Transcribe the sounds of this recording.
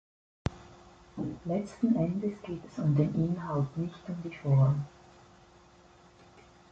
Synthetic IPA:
lɛt͡stn̩ʔɛndəsɡ̥eːtɛsʊmdeːnʔɪnɦaltnɪçtʊmdiːfɔʁm

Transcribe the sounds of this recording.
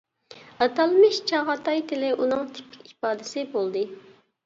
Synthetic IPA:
ɑt̪ɑlˠmɪʃt͡ʃʰɑʁɑt̪ʰɑjt̪ʰɪlɪʔunɨŋt̪ʰɪ̥pʰɪ̥kʲipɑːd̪ɪsɪbolˠd̪ɨ

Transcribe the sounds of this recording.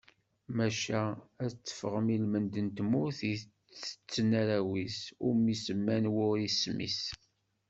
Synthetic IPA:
mæʃææt͡sːə̥fəʁəmilmənd̪ənt̪mʊθi | t͡sə̥t͡sːnaɾæwisʊɾmisəmːænwʊɾismḭs

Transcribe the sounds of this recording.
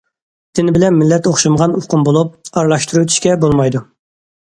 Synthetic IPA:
d̪̥ɪnɪbɪlɛnmɪlːɛt̪oχʃɑmʁɑnuqʊmbolˠup̚ɑɾlˠɑʃt̪ʰuɾuwøt̪ʰy̥ʃkʲɛbolˠmɑjd̪u

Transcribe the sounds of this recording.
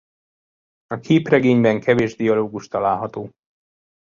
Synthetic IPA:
ɒkʰeːprɛɡeːɲbɛŋkʰɛveːʒd̪ijɒloːɡuʃt̪ɒlaːlɦɒt̪oː

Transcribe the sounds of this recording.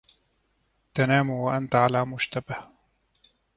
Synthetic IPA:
t̪anaːmuwaʔant̪aʕalaːmʊʃt̪abah

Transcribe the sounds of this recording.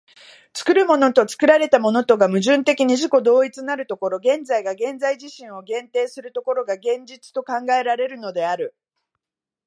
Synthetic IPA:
t͡sɨ̥kɯ̟ɾɯ̟mo̞no̞t̪o̞t͡sɨ̥kɯ̟ɾaɾe̞t̪amo̞no̞t̪o̞ɡamɯ̟ʑɨ̃nt̪e̞kʲiɲ̟iʑiko̞d̪o̞ːit͡sɨnaɾɯ̟t̪o̞ko̞ɾo̞ɡẽ̞nd͡zaiɡaɡẽ̞nd͡zaiʑiɕĩɰ̃o̞ɡẽ̞nt̪e̞ːsɨɾɯ̟t̪o̞ko̞ɾo̞ɡaɡẽ̞ɲd͡ʑit͡sɨ̥t̪o̞kãŋɡae̞ɾaɾe̞ɾɯ̟no̞d̪e̞aɾɯ̟

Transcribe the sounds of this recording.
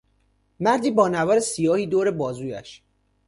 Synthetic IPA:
mæɾd̪iːbɒːnævɒːɾesijɒːhiːd̪oːɾe̞bɒːzuːjæ̰ʃ

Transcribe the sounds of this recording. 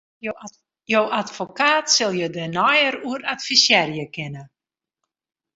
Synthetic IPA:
jowatfokaːtsɪlˠjədənɔjəɾuəɾatfisjɛrjəkɪnə

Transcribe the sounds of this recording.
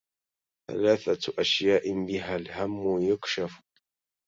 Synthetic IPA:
θa̰laːθat̪ʔaʃjaːʔɪmbɪɦaːlhamːʊjʊkʃaf

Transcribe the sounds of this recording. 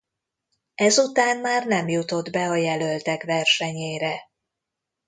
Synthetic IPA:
ɛzut̪aːnmaːrnɛmjut̪o̞d̪bɛɒjɛlø̞lt̪ɛkvɛrʃɛɲeːɾɛ

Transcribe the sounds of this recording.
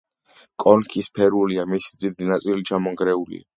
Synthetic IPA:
kʼɔnkʰispʰɛɾuliamisid̪zid̪inat̪sʼilit͡ʃʰamɔŋɡɾɛulḭa̰

